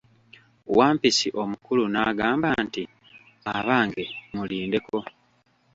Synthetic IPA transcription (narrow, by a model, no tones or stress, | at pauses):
waːmpisiʔo̞mukulunaɡaːmbanti | aβaːŋɡe̞muliːnde̞ko̞